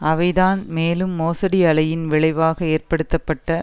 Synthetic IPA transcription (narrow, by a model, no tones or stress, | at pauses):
ɐʋɐɪðaːnmeːlɯmːoːsɐɽiɐlɐjɪnʋɪɭɐɪʋaːɣɐeːrpɐɽɯt̪ːɐpːɐʈːɐ